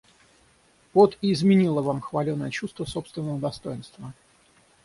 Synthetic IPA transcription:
vot̪ɪːzmʲɪnʲilˠəvamxvɐlʲonːəjət͡ɕust̪vəso̞pst̪vʲɪnːəvəd̪ɐst̪o̞jɪnst̪və

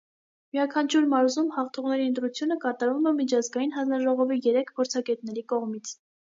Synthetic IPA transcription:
miɑkʰɑnt͡ʃʰuɾmɑɾzumhɑχt̪ʰɔʁnɛɾiənt̪ɾut͡sʰjunəkɑt̪ɑɾvumɛmit͡ʃʰɑzɡɑjinɦɑnd͡znɑʒɔʁɔvijɛɾɛkʰpʰɔɾt͡sʰɑɡɛt̪nɛɾikɔʁmit͡sʰ

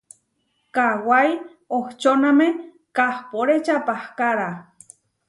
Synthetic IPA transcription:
kawaj | oht͡ʃoname | kahpoɾet͡ʃapahkaɾa

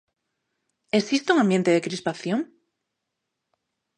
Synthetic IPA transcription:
esist̪euŋãmbje̞nt̪eðekɾispaθjoŋ

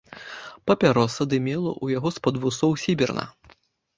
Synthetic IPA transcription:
pɐpʲaɾɔsɐd̪ɨmʲɛlˠɐ̰ʔujaɣɔspɐd̪vusɔwsʲibʲɛrnɐ̰

